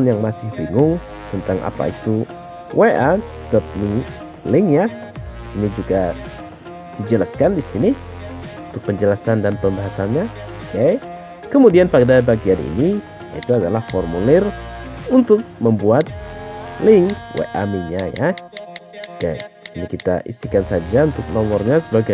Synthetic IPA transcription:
njaŋmasɪhbiŋʊŋ | t̪ənt̪aŋa̰pa̰it̪u | wʔeʔa | dɔt̪̚mi | lɪŋja | disinid͡ʒuɡa | d̥id͡ʒəlaskandisini | unt̪ʊk̚pəɲd͡ʒəlasandanpəmbaɦasanɲa | kej | kəmudianpadabaɡianḭni | ja̰ḭt̪uadalahfɔrmulɪrunt̪ʊk̚məmbuat̪̚lɪŋwḛʔa̰miɲaja̰ | kejdisinikit̪a̰ʔḭsikansad͡ʒaunt̪ʊk̚nɔmɔrɲasəbaɡa

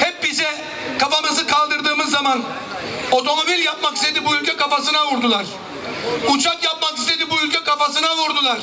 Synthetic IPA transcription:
hɛp̚bisɛ | kʰafamɯzɯkʰalˠd̪ɯɾd̪ɯːmɯzːaman | o̞t̪ʰo̞mo̞bilʲjap̚makist̪e̞d̪ibuylʲcʰɛkʰafasɯnavuɾd̪ulˠaɾ̥ | ut͡ʃʰakjap̚makist̪ʰe̞d̪ibuylʲcɛkʰafasɯnavuɾd̪ulˠaɾ̥

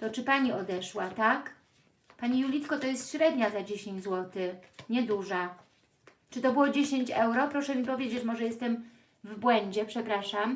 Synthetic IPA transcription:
t̪ɔt͡ʂɘpaɲiɔd̪ɛʂwat̪ak | paɲijulʲit̪kɔt̪ɔjɛst̪ɕɾɛd̪ɲazad͡ʑeɕẽɲd͡ʑzwɔt̪ɘɲɛd̪uʐa | t͡ʂɘt̪ɔbɘwɔd͡ʑeɕeɲt͡ɕɛwɾɔpɾɔʂɛmʲipɔvʲjed͡ʑet͡ɕmɔʐɛjɛst̪ɛm | vbwɛɲd͡ʑɛpʂɛpɾaʂam

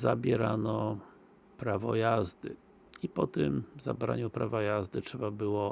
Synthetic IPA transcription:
zabʲjɛɾanɔ | pɾavɔ̰jazd̪ɘ | ipɔt̪ɘmza̰bɾa̰ɲupɾavajazd̪ɘtʂɛbabɘwɔ

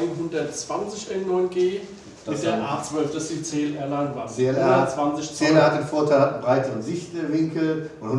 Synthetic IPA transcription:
ɪnɦʊndɐtt͡sv̥ant͡sɪçʔɛnnɔʏnɡeː | d̥ɪd̥eɐɐʔaːt͡sv̥œlfd̥asd̥it͡seːlʔɛ̰ɐlaŋvaːnzeɛlɐt͡sv̥ant͡sɪç̥elhat̚d̥eːnfoːɐtʰaɪlhatn̩bʁaɪtəʁənzɪçtəvɪŋkl̩ʔʊnhʊn

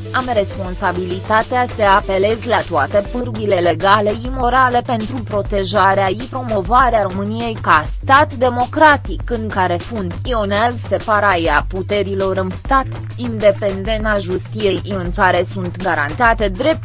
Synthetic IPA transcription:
amre̞spo̞nsabilit̪at̪easəape̞le̞zlat̪oat̪e̞pɨrbile̞le̞ɡale̞imo̞ɾale̞pe̞nt̪ɾupɾo̞t̪e̞ʒaɾeaipɾo̞mo̞vaɾeaɾo̞mɨnije̞jkast̪at̪d̪e̞mo̞kɾat̪ikɨŋkaɾe̞funt̪io̞neazse̞paɾajaput̪e̞ɾilo̞ɾɨnst̪at̪ | ind̪e̞pe̞nd̪e̞naʒust̪ije̞jʔɨŋkaɾe̞sunt̪ɡaɾant̪at̪e̞d̪ɾe̞p̚t̪

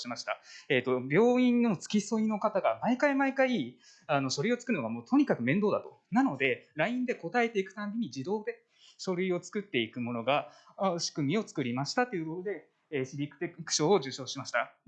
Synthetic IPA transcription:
ɕimaɕi̥t̪a̰et̪ːo̞bʲjo̞ːĩnːo̞t͡sɨ̥kʲiso̞ino̞kat̪aɡamaikaimaikai | ano̞ɕo̞ɾɯ̟io̞t͡sɨ̥kɯ̟ɾɯnoɡamoːt̪o̞ɲ̟ikakɯ̟mẽ̞nd̪o̞ːd̪at̪o̞ | nano̞d̪e̞ɾaĩnd̪e̞ko̞t̪ae̞t̪e̞ikɯ̟t̪ãmbʲiɲ̟id͡ʑid̪o̞ːd̪e̞ | ɕo̞ɾɯ̟io̞t͡sɨ̥kɯ̟t̪ːe̞ikɯ̟mo̞no̞ɡaaɕi̥kɯ̟mʲio̞t͡sɨ̥kɯ̟ɾʲimaɕi̥t̪at̪ːe̞jiɯ̟ko̞t̪o̞d̪e̞ | ɕiɾʲikɯ̥t̪e̞kɯ̟̥ɕo̞ːoʑɨːɕo̞ːɕimaɕi̥t̪a

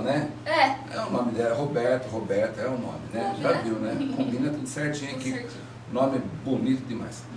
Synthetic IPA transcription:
nɛ | ɛ | ɛ̰ũmɐ̃milɛɾɐɦobɛɾt̪ʊɦobɛɾt̪ɐɛũnõ̰mɪnɛbɾaviwnɛkõmbĩnɐt̪ud̪ʊseɾt͡ʃĩɲẽkɪ | ʊnõmɪɛbonit̪ʊd̪ɪma̰js

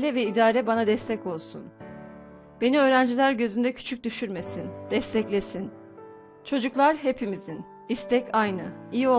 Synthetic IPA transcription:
lʲɛvɛid̪aːɾɛbanad̪ɛst̪ʰɛco̞lˠsun | b̥e̞niøːɾænd͡ʒilʲæɾɟø̞zynd̪ɛcʰy̥t͡ʃʰyc̚d̪yʃyɾme̞sind̪̥ɛst̪ʰɛclʲe̞sin | t͡ʃʰo̞d͡ʒuklˠaɾɦe̞pʰimizin | ist̪ʰɛcʰajnɯijio̞

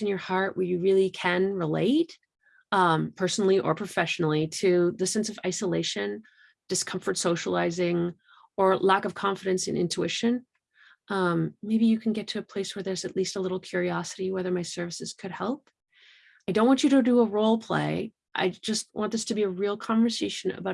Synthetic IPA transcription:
ɨ̃n̩jə˞hɑɹʔ̚wə˞jɨɹɪlˠikʰɨ̃nɹɪlḛɪt | ʌ̃mpʰɜ˞sn̩l̩ˠiʔə̰˞pʰɹ̥ɨfɛʃn̩l̩ˠiɾɨðɨsɛ̃nsʌva̰ɪsəleɪʃɨ̃n | d̥ɨskʰʌ̃ɱfə˞tsoʊʃəl̩ˠaɪzɪ̃ŋ | ə˞lækʌv̥kʰɑ̃ɱfɨɾɨ̃nsɨ̰̃nʔɪ̰̃ntʰʉɪʃɨ̃n | ʔʌ̃mːeɪbijɨkʰn̩ɡɛtʰɨːpʰl̥eɪswə˞ðə˞zɨtˡlistəlɪɾl̩ˠkʰj̥ʊɹiɑsɨɾiwɛðə˞maɪsɜ˞vɨsɨz̥kʰɨd̚hɛlˠp̚ | aɪdõʊ̃nʔwɑ̃nt͡ʃɨɾɨdɨəɹoʊlˠpʰl̥ḛɪ | ʔa̰ɪd͡ʒʌst̚wʔɑ̃nðʌstʰɨbiɨɹilˠkʰɑ̃ɱvə˞seɪʃɨ̃nɨ̰baʊ

